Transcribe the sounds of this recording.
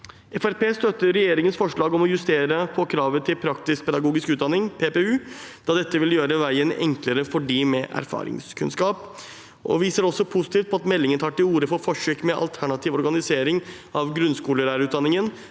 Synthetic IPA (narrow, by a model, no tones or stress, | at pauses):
ɛfæɾpeːst̪œt̪ːəɾːɛjeːɾɪŋənsfɔʂɭɑːɡɔmɔjʉst̪eːɾəpʰɔkʰɾɑːʋət̪ʰɪlpʰɾɑkt̪ɪsk̚pʰɛd̪ɑɡuːɡɪskʉːt̪̚d̪ɑnɪŋpʰeːpeːʉːd̪̥ɑd̪ɛt̪ːəʋɪljøːɾəʋæɪənɛ̰ŋkləɾəfɔɖiːmɛʔæ̰ɾfɑ̰ːɾɪ̰ŋskʰʉnskɑːp | ʔɔ̰ʋiːsəɾɔsɔpʰʊsɪ̥t̪iːft̪pɔɑt̪mɛlːɪŋənt̪ʰɑːʈɪuːɾəfoːɾfɔʂøːkmɛʔɑ̰lt̪ʰæɳɑt̪ʰiːʋɔɾɡɑnɪseːɾɪŋ | ʔɑʋɡɾʉnskuːləɾæːɾʉːt̪̚d̪ɑnɪŋən